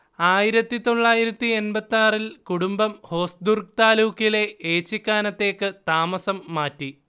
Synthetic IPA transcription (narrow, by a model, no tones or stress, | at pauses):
aːjiɾɐt̪ːit̪o̞ɭːaːjiɾɐt̪ːienbɐt̪ːaːrilkuɽumbɐmho̞ːsd̪urɡ̚t̪aːluːkile̞eːt͡ɕːikːaːnɐt̪ːe̞ːkːɨt̪aːmɐsɐmːaːtːi